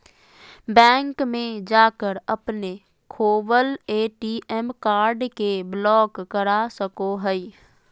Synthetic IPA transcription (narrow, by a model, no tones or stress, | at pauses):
bɛ̃ːŋkmẽd͡ʒaːkəɾɐpne | kʰoːbəleːʈiʔɛmkaːɾɖkeblɔːkːəɾasəkoɦɛi